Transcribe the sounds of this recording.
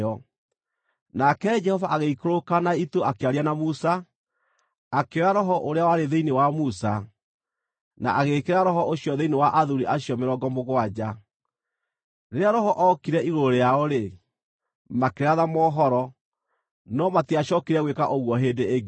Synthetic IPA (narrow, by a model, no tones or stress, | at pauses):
ɔ | nakɛd͡ʒɛhɔvaʔaɣeikoɾokanaitoakeaɾianamusa | akeɾaɾɔɦɔʔoɾeawaɾeðeinewamusa | na̰ʔaɣekeɾaɾɔɦɔʔoɕjɔðeinewaʔaðuɾiʔaɕjɔmeɾɔɡɔmoɣwad͡ʑa | ɾeɾeaɾɔɦɔʔɔkiɾɛʔiɣoɾoɾejaɔɾe | makeɾaðamɔːɦɔɾɔ | nɔmatiaɕɔkiɾɛɣwekaʔoɣwɔɦeːdeeɡ